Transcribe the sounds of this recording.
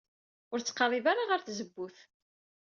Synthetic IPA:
ʊɾt͡sːqɑɾˤivaɾaʁəɾθzəbːuθ

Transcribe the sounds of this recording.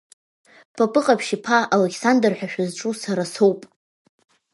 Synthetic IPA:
pʰapʼɨqʼapʰʃipʰaʔalekʲʰsandrħᶣaʃᶣazʈ͡ʂʼusaɾasowpʼ

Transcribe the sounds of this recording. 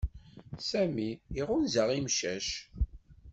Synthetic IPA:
sæmiiʁʊnzæʁimʃæʃ

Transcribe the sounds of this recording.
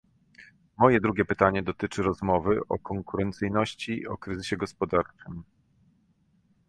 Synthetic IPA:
mɔjɛd̪ɾuɡʲjɛpɘt̪aɲɛd̪ɔt̪ɘt͡ʂɘɾɔzmɔvɘʔɔ̰kɔŋkuɾɛnt̪sɘjnɔɕt͡ɕiɔkɾɘzɘɕɛɡɔspɔd̪aɾt͡ʂɘm

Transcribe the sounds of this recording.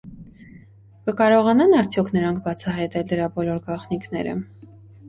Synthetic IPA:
kəkɑɾɔʁɑnɑnɑɾt͡sʰjɔkʰnəɾɑŋkʰbɑt͡sʰɑɦɑjt̪ɛld̪əɾɑbɔlɔɾɡɑχniknɛ̰ɾə̰

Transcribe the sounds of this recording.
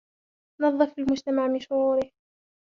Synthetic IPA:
nɑðˤːɨfɪlmʊd͡ʒt̪amaʕmɪnʃʊɾuːɾɪh

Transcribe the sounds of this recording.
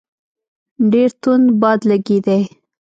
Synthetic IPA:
ɖeɾt̪unbɑd̪laɡid̪aj

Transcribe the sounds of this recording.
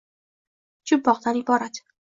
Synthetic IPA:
d͡ʒʊbːɒʁd̪anɪbɒɾat̪

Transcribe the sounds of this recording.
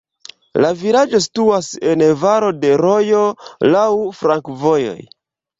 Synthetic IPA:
lavilad͡ʒo̞s̬i̥tuase̞nvaɾo̞de̞ɾo̞jo̞lawfɾaŋkvo̞jo̞̰j

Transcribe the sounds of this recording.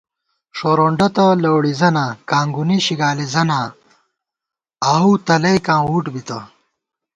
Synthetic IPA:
ʂoɾoːɳɖɐt̪ɐlɐwɽizɐnaːkaːŋɡuniɕiɡaːlizɐnaː | ɐut̪ɐlɐjkãːwuʈbit̪ɐ

